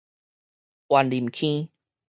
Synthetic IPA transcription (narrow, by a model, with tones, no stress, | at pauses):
ʔwa˨˩nli˨˩mkʰĩ˦